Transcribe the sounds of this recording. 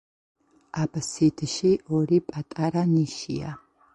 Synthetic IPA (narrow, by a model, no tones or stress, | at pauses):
aːbɐsidʰɨʃiːʔɔɾiːpʼatʼaɾaniʃḭja̰